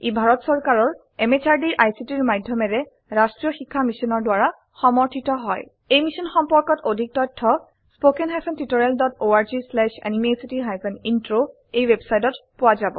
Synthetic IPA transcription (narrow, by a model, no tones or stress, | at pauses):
ibʱaɹɔtsɔɹkaɹɔɹ | emet͡ʃaɹdiɹʔajsitiɹmajdʱjɔmɛɹɛ | ɹastɹijɔxikʰːamisɔnɔɹdwaɹa | xɔmɔɹtʰitɔɦɔj | ejmisɔnxɔmpɔɹkɔtodʱik̚tɔjtʰːɔ | spokɛnɦajpʰɛntitoɹɛldɔtoaɹzislɛʃɛ̰nimesitiɦajpʰɛnintɹo | ejwebsajtɔtpʊwazabɔ̰